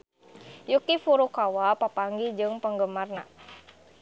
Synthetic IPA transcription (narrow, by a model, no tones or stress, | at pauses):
jukifuɾukawapapaŋɡid͡ʒɨŋpəŋɡəmarna